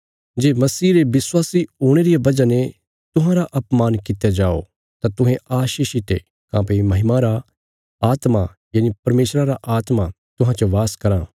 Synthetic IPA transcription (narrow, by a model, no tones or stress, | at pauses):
d͡ʒeːmɐsiːɾebɪswaːsioːɽ̃eɾijabɐd͡ʒane | t̪ʊɦãɾaʔɐpmaːnkɪt̪ejad͡ʒaːo̰ | t̪at̪ʊ̃ɦẽaːʃiːʃɪt̪ḛ | kãːpeimɐɦɪmãɾa | aːt̪ma | jɐːnipɐɾmeːʃɾaɾaʔaːt̪ma | t̪ʊɦãt͡ʃoʋaːskɐɾãː